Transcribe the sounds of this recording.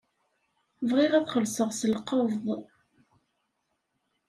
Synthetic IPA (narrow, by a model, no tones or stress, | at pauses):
vʁiʁæθχəlsəʁsəlqəvðˤ